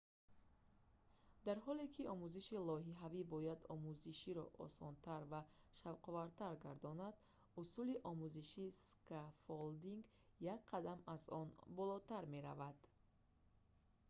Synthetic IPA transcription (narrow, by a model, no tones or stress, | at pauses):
d̪aɾɦɔlekʰiʔɔmuziʃilɔɦiɦavibɔjad̪ɔ̰muziʃiɾɔ̰ʔɔ̰sɔnt̪ʰaɾva | ʃavqɔvaɾt̪ʰaɾɡaɾd̪ɔnad̪ | usuliʔɔmuziʃiskafold̪iŋɡ | jakqʰad̪amazɔnbɔlɔt̪aɾme̞ɾa̰vad̪̥